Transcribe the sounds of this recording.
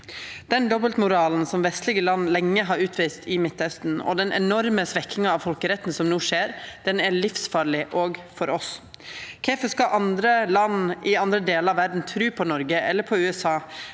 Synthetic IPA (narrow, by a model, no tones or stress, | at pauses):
d̪̥ɛnd̪ɔbəlt̪mʊɾɑːln̩sɔmʋɛst̪lɪɡəlɑnːlɛŋːəɦɑɾʉːt̪ʰʋiːst̪ʰɪmɪt̪ːhœst̪n̩ɔ̰d̪ɛnʔɛ̰nɔɾməsʋɛkʰːɪŋɑɑʋfɔlkəɾɛt̪ːn̩sɔmnuːʂeːɾd̪̥ɛnæɭɪfsfɑːɾɭɪʔɔɡfɔɾɔs | kʰɛfəʂkɑʔɑnd̪ɾəlɑnʔɪɑnd̪ɾəd̪eːləɾɑʋæɾd̪n̩t̪ʰɾʉːpʰɔnɔɾɡəʔɛ̰lːəɾpʰɔʉːɛsɑː